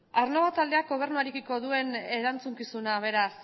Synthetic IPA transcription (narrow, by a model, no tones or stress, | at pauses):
aɾnoβat̪ald̪eak̚ɡo̞β̞e̞ɾnuaɾekiko̞ðue̞ne̞ɾant͡suŋkisunaβ̞e̞ɾas